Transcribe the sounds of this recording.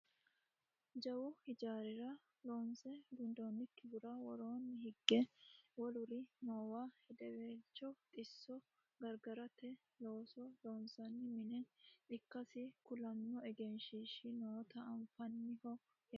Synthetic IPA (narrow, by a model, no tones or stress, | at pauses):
d͡ʒɐwɔhɪd͡ʒaːɾɪɾɐ | loːnsɛɡʊnd̪oːnːɪkːɪbʊɾɐwɔɾoːnːɪhɪɡːɛwɔlʊɾɪnoːwaːhɛd̪ɛweːt͡ʃːɔt̪ʼɪsːɔ | ɡɐɾɡɐɾɐt̪ɛ | lo̞ːsɔloːnsɐnːɪmɪnɛɪkːɐsɪkʊlɐmːɔɛɡɛnʃiʃɪnoːt̪ɐɐɱfɐnːɪhɔ | j